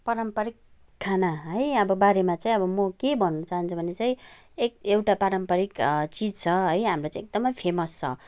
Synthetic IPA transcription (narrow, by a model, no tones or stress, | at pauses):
paɾʌmpʌɾikʰː | anaɦʌjʌbʌbaɾemat͡saĩʌbʌmʌkebʱʌnːʌt͡saɦant͡sʰubʱʌnet͡saĩ | ekewʈapaɾʌmpʌɾikt͡sid͡zt͡sʰʌɦʌjɦamrot͡saĩek̚d̪ʌmʌjpʰemʌst͡sʰʌ̰